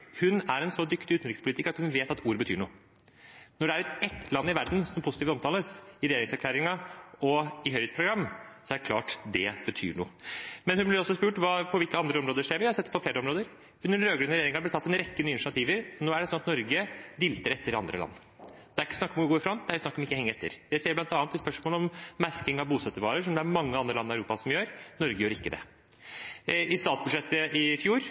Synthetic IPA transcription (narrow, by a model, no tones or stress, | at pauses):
hʉnæɾɛnsɔd̪ʏkt̪ɪʉːt̪nɾɪkəspʊlit̪ɪkːɾɑt̪hʉnʋeːt̪ɑt̪ʰuːɾbət̪ʰyːɳṵːə | nɔɖɛæɾɛt̪ːlɑnːɪʋæɾd̪nsɔmpʰʊsɪt̪iːft̪ɔmt̪ʰɑːləsɪɾɛjeːɾɪŋsæɾklæːɾɪŋɑɔɪɦœʏhet̪spʰɾʊɡɾɑmːsɔæɖɛkʰlɑ̰ːʈd̪ɛb̥ət̪ʰy̰ːɳṵːmɛnhʉnblɪɾɔsːɔspʉːʈʋɑːpʰɔʋɪlkəɑnd̪ɾəɔmɾoːd̪əʂeːɾʋɪhɑɾsɛt̪ːpʰɔfleːɾəɔmɾoːd̪əɾ | ʉnːəɾɾøːɡɾʉnɾɛjeːɾɪŋɑblɪt̪ʰɑt̪ːɛnɾɛkːənyːəɪnɑt̪ʰiːʋəɾnoːæɖɛsɔnːɑt̪nɔɾɡəd̪ɪlt̪əɾɛt̪ːəɾɑ̰nd̪ɾə̰lɑ̰nː | d̪̥ɛæɾɪkːəsnɑkːɔmɡoːɾɪfɾɑnd̪ɛæɾɪsnɑkːɔmɪkːəhɛŋːɛt̪ʰːə̰ɾd̪æseːblɑnt̪ɑːnt̪ʰːɪspœʂmoːləɔmːæɾkɪŋɑʋbuːsɛt̪ːəɾʋɑːɾəʂɔmd̪ɛæɾmɑŋːəɑnd̪ɾəlɑnːɪæʉɾuːpɑsɔmjøːɾnɔɾɡəjøːɾɪkːəd̪ɛ̰ | ɪst̪ɑːt̪sbʉd̪ʂɛt̪ːəʔɪfjuːɾ